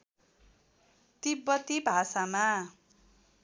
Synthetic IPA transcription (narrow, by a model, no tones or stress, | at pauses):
t̪ibʌt̪ibʱasama